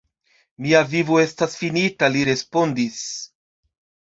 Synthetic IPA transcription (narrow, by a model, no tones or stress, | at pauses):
miavivoe̞stasfinitaliɾe̞spo̞ndis